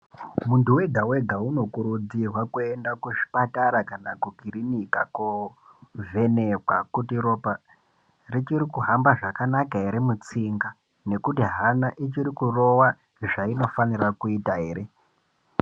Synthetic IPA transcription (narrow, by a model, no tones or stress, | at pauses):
muntuwe̞ɡʱawe̞ɡʱauno̞kuɾud͡zirwakuendakuʃi̥pataɾakanakuɡʱiɾinikaku | vʱe̞nekwakutiɾo̞pa | rit͡ʃiɾikuɦambaʐakanakaɦeɾemut͡siŋɡa | ne̞kutiɦanaʔit͡ʃiɾikuro̞wa | ʐaino̞fanirakuitaɦe̞ːɾe̞